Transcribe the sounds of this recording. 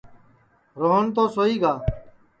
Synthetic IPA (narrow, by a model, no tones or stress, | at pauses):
ɾoːɦənt̪oːsoːiːɡaː